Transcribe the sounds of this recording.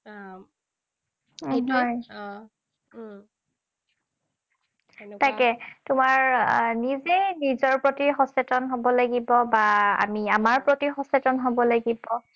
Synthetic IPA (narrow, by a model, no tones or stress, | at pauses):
ɦɔj | takɛtʊmaɹnizenizɔɹpɹotixɔsɛtɔnɦobɔlaɡibɔbaa̰miamaɹpɹotixɔsɛtɔnɦobɔlaɡibɔ